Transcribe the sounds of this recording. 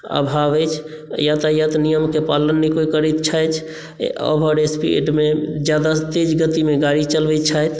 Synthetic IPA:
ə̰bʱabət͡ʃʰ | jat̪ajət̪nijəmkepalənːikoikəɾɛt̪t͡ʃʰajt͡ʃʰ | ə̰bʱəɖespḭḛɖmed͡ʒjad̪at̪ed͡ʒɡət̪imeɡaɾit͡ʃəlbɛt͡ʃʰajt̪

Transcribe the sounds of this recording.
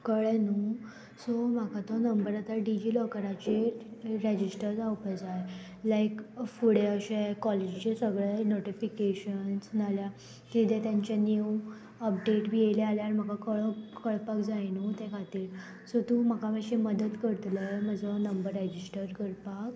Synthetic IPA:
kəɭenu | sɔm̤akat̪onəmbəɾat̪aɾɖid͡ʑiːləkəɾat͡ɕeɾed͡ʑisʈəɾd͡zawpəd͡zaj | lajkfuɽeəɕekɔled͡ʑt͡ɕesəɡɭenoʈifikeɕənsnalja | t̪id̪et̪jaɲt͡ɕanjuu | əp̚ɖeʈʋielealjaɾim̤əkakəɭəkəɭpakd͡zajnuːt̪ẽkʰat̪iːl | sɔt̪um̤akamaɕeməd̪ət̪kəɾt̪ləjməd͡zənəmbəɾːɛd͡ʑisʈəɾkəɾpak

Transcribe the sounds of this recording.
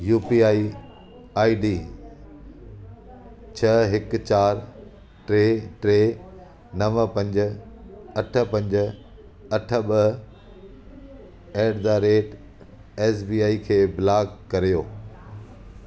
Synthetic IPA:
juːpiːaːi | aːiɖiː | t͡ɕʰɐɦɪkt͡ɕaːɾ | ʈɾeʈɾeː | nɐʋəpɐ̃ɲd͡ʑ | ɐʈʰə̆pɐ̃ɲd͡ʑ | ɐʈʰə̆ɓə | eːɖd̪aɾeːʈ | eːsbiːaːikʰeːbɪlaːɡkɐɾijoː

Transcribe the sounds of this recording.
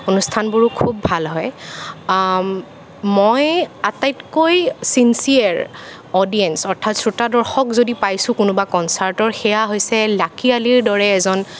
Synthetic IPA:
onustʰanbʊɹukʰubːʱalɦɔj | mɔjatajtkojsinsiaɹ | ɔdiɛnsɔɹtʰatsɹutadɔɹxɔkzodipajsʊ̃kʊnʊbakɔnsaɹtɔɹxɛjaɦojsɛlakialiɹdɔɹɛːzɔn

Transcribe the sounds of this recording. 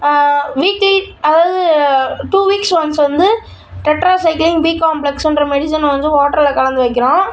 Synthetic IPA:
ʋiːkliɐðaːʋɐðɯʈuːʋiːksʋɐnsʋɐnd̪ɯ | ʈɛʈɾaːsɐɪklɪŋɡbiːkaːmplɛksɛndɾɐmɛɽɪsɐnʋɐnd̪ɯ̃ʋoːʈːɐɾɪlɐkɐɭɐnd̪ɯʋɐɪkːɪɾõː

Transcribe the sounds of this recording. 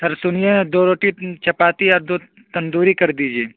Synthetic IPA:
sɐɾsʊnijed̪oːɾoːʈit͡ʃʰɐpaːt̪iɔːɾd̪oː | t̪ɐnd̪uːɾikɐɾd̪iːd͡ʒieː

